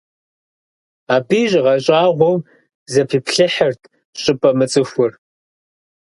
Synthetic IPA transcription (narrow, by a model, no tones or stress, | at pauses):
aːbiːʑʁɐɕʼaːʁʷɔw | zɐpʰiːpʰɬɨħɐrtʰ | ɕʼɪpʼɐmɨt͡sʼɨxʷʊr